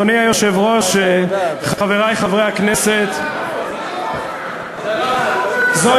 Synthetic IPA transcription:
oniajoʃevʁoʃeχaveʁajχavʁejhaknɛset̪ | zo

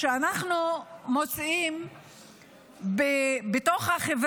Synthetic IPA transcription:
eanaχnumo̞t͡sim | bebeto̞χhaχev

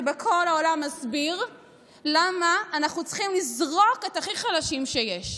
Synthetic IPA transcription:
bekʰo̞laolamːazbiʁ | lamaːnaχnut͡sχimlizʁo̞ke̞thaχiχalaʃimʃejeʃ

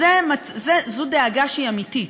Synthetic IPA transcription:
emazezud̪eaɡaʃiamit̪i

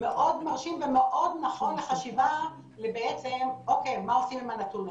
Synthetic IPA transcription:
meʔo̞d̪maʁʃimvemeʔo̞d̪naχo̞nleχaʃiva | lebeet͡semokejmaosimimanat̪un

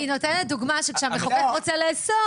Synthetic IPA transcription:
ino̞tenet̚d̪uɡmaʃekʃeameχoketʁot͡seleːso

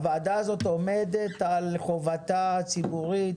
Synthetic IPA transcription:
vaadazo̞t̪omed̪et̪alχovat̪at͡sibuʁit

